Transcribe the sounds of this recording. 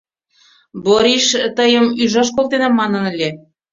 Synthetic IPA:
boɾiʃt̪əjəmyʒɑʃ̬kolt̪enɑmːɑnə̆nə̆lʲe

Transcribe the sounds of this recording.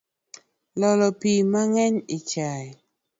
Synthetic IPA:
lɔlɔpimaŋɛɲɪt͡ʃa

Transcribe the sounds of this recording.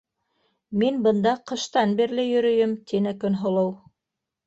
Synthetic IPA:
minbɤ̆nd̪ɑqɤ̆ʃt̪ɑnbiɾlɘjɵ̆ɾɵ̆jɘmt̪ʰinɘkɵ̆nɦŏlˠɤw

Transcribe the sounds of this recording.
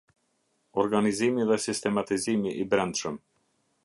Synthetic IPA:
ɔɾɡanizimiðɛsist̪ɛmat̪izimiʔibɾɛnd̪ʃəm

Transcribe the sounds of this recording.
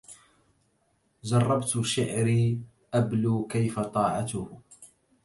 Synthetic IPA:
zɑrˤːɑbt̪ʃɪʕɾiː | ʔabluːkajfat̪ˤɑːʕat̪ʊh

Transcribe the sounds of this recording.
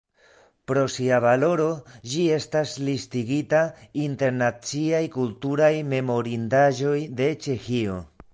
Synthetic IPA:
pɾo̞siavalo̞ɾo̞d͡ʒie̞staslistiɡitainte̞ɾnat͡siajkultuɾajme̞mo̞ɾindaʒo̞jde̞t͡ʃe̞xio̞

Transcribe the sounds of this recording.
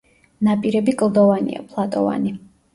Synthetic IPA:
napʼiɾɛbikʼlˠd̪ɔvanḭa̰pʰlˠat̪ʼɔva̰ni

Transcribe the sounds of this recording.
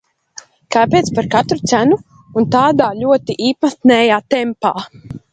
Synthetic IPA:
kaːpʲeːt̪spaɾkat̪ɾut̪sænuː | nt̪aːd̪aːʎʲuɔt̪iʔiːpat̪nɛːjaːt̪ɛmpaː

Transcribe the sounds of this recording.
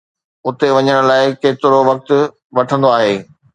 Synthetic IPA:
ʊt̪eʋɐɲəɽ̃ʊ̆laːɪkeːt̪ɪɾoʋɐk̚t̪ʊ̆ | ʋɐʈʰə̃nd̪oaːɦeː

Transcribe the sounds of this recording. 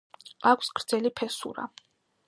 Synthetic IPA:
akʷʰsɡɾd̪zɛlipʰɛsṵɾa̰

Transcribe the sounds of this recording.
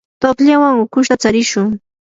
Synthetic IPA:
t̪oχʎawaŋʊkʊʃt̪at͡saɾɪʃʊŋ

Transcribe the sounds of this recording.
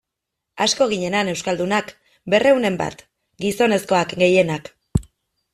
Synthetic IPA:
asko̞ɣ̞iɲe̞nane̞wskald̪unak | be̞re̞wne̞mba̰t̪ | ɡiso̞ne̞sko̞akɡe̞je̞nak

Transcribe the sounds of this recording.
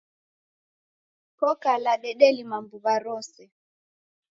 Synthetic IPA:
kɔkalaɗɛɗɛlimambuβaɾɔsɛ

